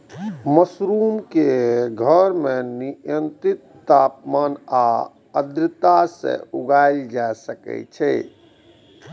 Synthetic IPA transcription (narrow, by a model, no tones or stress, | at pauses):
məsɾumkeɡʱəɾmeniənt̪ɾit̪ːapmana | əd̪ɾət̪asḛ̃uɡajld͡ʒaesəkɛ̰t͡ʃʰɛ